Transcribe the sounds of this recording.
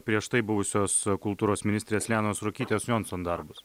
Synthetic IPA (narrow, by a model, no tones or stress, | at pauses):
pʲɾʲiɛʃt̪ɐɪbʊʋʊsʲoːskʊlˠt̪uːɾoːsmʲɪnʲɪst̪ʲɾʲeːsʲlʲæːnoːsɾokʲiːt̪ʲeːsjonsond̪ɐɾbʊs